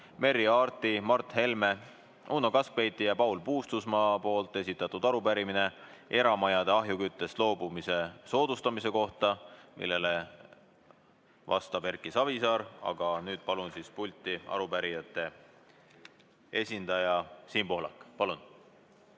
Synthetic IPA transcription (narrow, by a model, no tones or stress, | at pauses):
me̞ɾiɑːrt̪ˑimɑrt̪he̞lme̞ | uːnokɑskvejt̪ːˑijɑpɑwlpuːst̪usmɑːpo̞ːlt̪ːˑe̞sit̪ːˑɑt̪ːud̪̥ɑɾupæɾimine̞ʔe̞ɾɑmɑjɑd̪̥eɑɦjukyt̪ːˑe̞st̪lo̞ːbumise̞so̞ːd̪̥ust̪ɑmise̞ko̞ht̪ɑmʔḭlːe̞le | vɑ̰st̪ɑb̥e̞rkːˑisɑvisɑːɾɑ̰ɡ̥ɑnyːd̪̥̚pɑlunsispulʲt̪ːˑiɑ̰ɾupæɾijɑt̪ːˑe̞ | e̞sʲind̪̥ɑjɑsiːmpo̞ɦlɑ̰kːˑpɑlun